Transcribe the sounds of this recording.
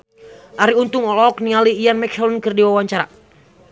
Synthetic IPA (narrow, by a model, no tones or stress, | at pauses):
ʔaɾiunt̪uŋɔlɔk̚nialiːjanmɛksɔlnkɨrdiwawaɲt͡ʃaɾa